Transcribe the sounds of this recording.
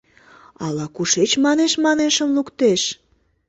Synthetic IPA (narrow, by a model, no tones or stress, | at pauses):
ɑlɑkuʃet͡ɕmɑneʃmɑneʃəmlukt̪eʃ